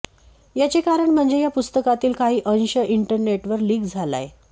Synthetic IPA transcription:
jat͡sekaɾəɳm̤əɳd͡zejapust̪əkat̪iːlkaɦiːʔə̃nɕəʔiɳʈəɾneʈʋəɾliːɡd͡zʱala̰j

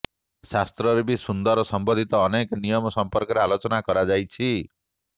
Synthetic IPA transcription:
sast̪ɾɔɾebisund̪ɔɾɔsɔmbɔd̪ʱit̪ɔːnekɔnijɔmɔsɔmpɔɾkɔɾealot͡ʃɔnakɔɾad͡ʒajt͡ʃʰi

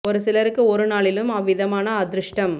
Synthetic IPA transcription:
ɔɾɯsɪlɐɾɯkːɯɔɾɯnaːɭɪlɯmɐʋːɪðɐmaːnɐːd̪ɾɯʂʈɐm

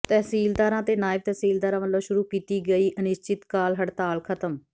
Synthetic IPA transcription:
t̪ɛːɦsiːld̪aːɾãːt̪eːnaːɪb̚t̪ɛːsiːld̪aːɾãːmət̪ləʋʃʊɾuːkiːt̪iːɡəiːʔənɪʃt͡ʃɪt̪kaːlɦəɽt̪aːlkʰət̪əm

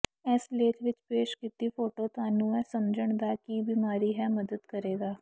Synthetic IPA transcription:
ɛːsleːt̪ʰʋɪt͡ʃpeːʃkɪt̪iːpʰoːʈoːt̪ʊaːnũːɛːsəmd͡ʒəɳ̃d̪aːkiːbiːmaːɾiːɦɛːməd̪əd̪kəɾeːɡaː

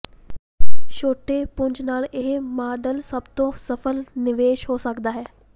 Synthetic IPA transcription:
ʃoːʈepʊ̃ɲd͡ʒnaːlɪɦmaːɖəlsɐbt̪õsɐfəlnɪʋeːʃɦoːsɐkd̪aːɦɛː

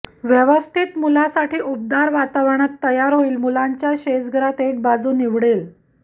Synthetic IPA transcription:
ʋjəʋəst̪ʰit̪mulasaʈʰiːʔup̚d̪aɾʋat̪aʋɳ̃at̪ːəjaɾɦoiːlmulaɲt͡ɕjaɕed͡zɡʱəɾat̪ek̚bad͡zuːniʋɽel

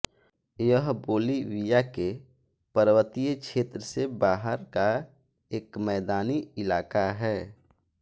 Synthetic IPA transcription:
jəɦboːliwijake | pəɾwət̪ijʃʰeːt̪ɾəsebaːɦəɾka | eːkmɛːd̪aːniɪlaːkaɦɛː

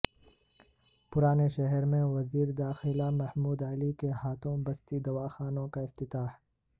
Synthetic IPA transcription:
pʊɾaːneʃɐɦɛɾmẽwɐziːɾd̪aːxɪlamɐhmuːd̪alikehaːt̪ʰõːmbɐst̪id̪ɐwaːxaːnõkaɪft̪ɪt̪aːh

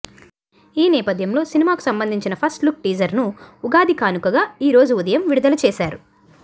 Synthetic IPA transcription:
iːnɛːpɐd̪ʱjɐmlo̞ːsinimaːku̥sɐmbɐnd̪ʱiɲt͡ʃinɐpʰɐsʈluk̚ʈiːd͡ʒɐɾnuuɡaːd̪ikaːnukɐɡaːiːɾo̞ːd͡ʒuud̪ɐjɐmʋiɽud̪ɐlɐt͡ʃɛːʃaːɾu

